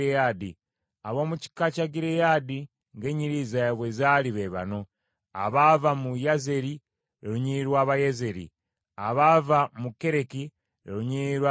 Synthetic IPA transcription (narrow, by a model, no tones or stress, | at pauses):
ejadi | aβo̞ːmuci̥kacaɡiɾejadi | ŋɡe̞ɲiɾiːzajaβwe̞zaliβeβa̰no̞ | aβavamujaze̞ɾi | eɾuɲiɾwaːβajeze̞ɾḭ | aβavamuke̞ɾe̞ki | ḛɾuɲiɾwa